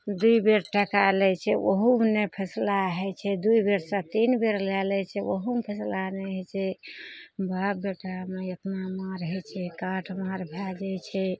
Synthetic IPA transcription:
d̪uibeɾʈɛkalɛt͡ʃʰɛoɦumnepʰəslaɦɛt͡ʃʰɛd̪uibeɾsə̃t̪inbeɾlɛlɛt͡ʃʰɛoɦumpʰəslanɛɦɛt͡ʃʰɛ | bapbeʈameək̪namaɾɦɛt͡ʃʰɛkãʈʰmaɾbʱad͡ʒɛt͡ʃʰɛ

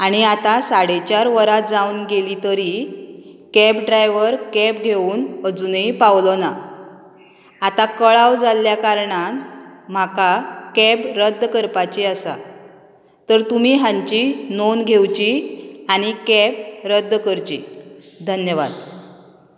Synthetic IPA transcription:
aɽ̃iat̪asaɽet͡ɕjaɾʋəɾat̪̚d͡zaunɡelit̪əɾi | kɛpɖɾajʋəɾkɛp̚ɡʱeuːnəd͡zunəipawləna | at̪akəɭawd͡zalːjakaɾɳanm̤akakɛbɾəd̪ːkəɾpat͡ɕeəsa̰ | t̪əɾt̪um̤iːɦãɲt͡ɕinonɡʱewt͡ɕiaɽ̃ikɛp̚ɾəd̪ːkəɾt͡ɕḭ | d̪ʱənjəʋad̪

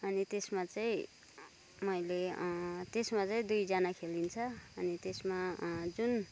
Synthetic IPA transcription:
ʌnit̪esmat͡sʌĩ | mʌjlet̪esmat͡sʌĩd̪ujd͡zanakʰelint͡sʰʌʌnit̪esmad͡zun

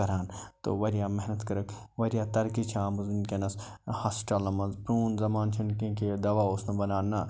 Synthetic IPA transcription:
ɐɾaːnt̪o̰ʋɐɾijaːmeɦnɐt̪kɐɾɐkʋɐɾijaːt̪ɐɾkit͡ʃʰaːmuznkenɐshasʈɐlɐmɐnzpɾuːnzɐmaːnt͡ʃʰunkẽːked̪ɐʋaːʊsnɐ̃bɐnaːnaː

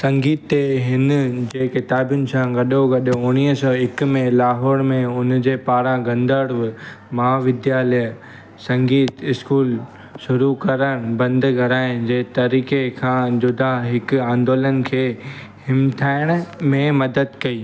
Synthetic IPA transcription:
sɐ̃ŋɡiːt̪ːeɦɪnd͡ʑeːkɪt̪aːbjʊnɪ̆sãɡɐɗoɡɐɗoʊɽ̃iːɦsɔːɪkmẽlaːɦɔːɽmẽʊnd͡ʑeːpaːɾãɡɐ̃nd̪əɽʋɪ | mɐɦaʋɪd̪jaːlə | sɐ̃ŋɡiːt̪ɪskuːl | ʃʊɾukɐɾəɽ̃bɐ̃nd̪ɡʱɐɾaːɪ̃d͡ʑeːt̪ɐɾiːkekʰãːd͡ʑʊd̪ʱaɦɪkʊãːnd̪oːlən̆kʰeː | hɪmt̪ʰaːɪɽ̃mẽmɐd̪əd̪kɐiː

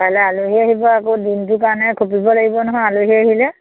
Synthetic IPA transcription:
palɛaluɦiaɦibɔakodint̬ʊkaɹɔnɛkʰopibɔlaɡibɔnɔɦɔjaluɦiaɦilɛ

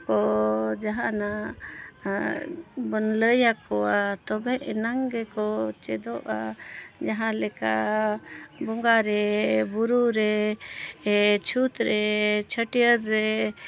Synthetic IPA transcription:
kɔd͡ʒaɦãna | bənləjakʰɔat̪ɔbɛ̃ʔɛnaŋɡɛkɔt͡ʃɛd̪ɔʔa̰d͡ʒaɦãlɛka | bɔŋɡaɾɛbuɾuɾɛ | t͡ʃʰut̪ɾɛt͡ʃʰəʈijəɾːɛ

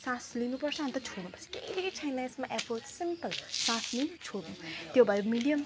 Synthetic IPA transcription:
sãslinupʌrt͡sʰʌɦʌnt̪ʌt͡sʰoɽnupʌt͡sʰi̥ked̪ikit͡sʰajnaesmaʔɛpolsimpəlsãslinɐt͡sʰoɽnũt̪jobʱaɾemiɖijʌm

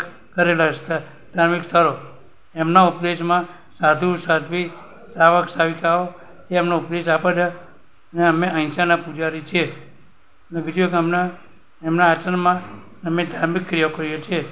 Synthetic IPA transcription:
kəɾelast̪ə | d̪ʱaɾmikst̪ʰəɾo | emnaʊpd̪eʃmã | sad̪ʱũsad̪ʱʋi | saʋəksaʋikao | eemnoupd̪eʃ̬apad͡ʒa | əneəmeʔə̃ĩt͡ʃanapud͡ʒaɾit͡ʃʰe | nebʱid͡ʒ̪okəmna | emnaːt͡ʃənmã | əmẽd̪ʱaɾmikːɾijokəɾijet͡ʃʰe

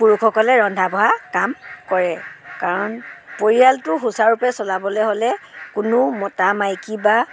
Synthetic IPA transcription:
puɹukʰɔkɔlɛɹɔndʱabɔɦakamkɔɹɛkaɹɔnpoɹialtʊɦusaɹupɛsɔlabɔlɛɦolɛkʊnʊmɔtamajkiba

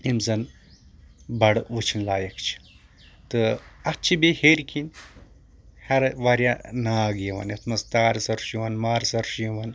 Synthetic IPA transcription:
imzɐn | bɐɽʋut͡ʃʰinlaːjɐkt͡ʃʰi̥ | t̪ɨɐk̚t͡ʃʰibeheɾkʰin | hɐɾʋaːɾjanaːɡeʋɐ̰nɐt̪ʰmɐst̪aːɾsɐɾʃiʋɐnmaːɾsɐɾʃjiʋɐn

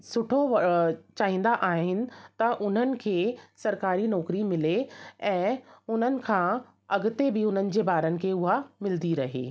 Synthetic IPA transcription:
sʊʈʰot͡ɕaːɦĩːn̆d̪aʔaːɦɦɪnɪ̆t̪ɐʔʊn̤ənɪ̆kʰeːsɐɾkaːɾinɔːkɾimɪleɛ̃ːʊn̤ənɪ̆kʰãː | ɐɡʊt̪ebɪʊn̤ənɪ̆d͡ʑeːbaːɾənɪ̆kʰeːʊɦamɪld̪iɾɐɦḛː

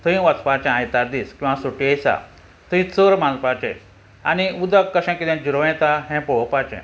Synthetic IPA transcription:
t̪uĩʋət͡spat͡ɕɛ̃ãjt̪aɾd̪iskĩw̃ʋasuʈijsa̰ | t̪uĩt͡səɾmãlpat͡ɕɛ̰̃s | a̰niud̪əkːəɕãkid̪ɛ̃d͡ʑuɾoʋɛ̃t̪aɦɛ̃pɔwɔpat͡ɕɛ̰̃

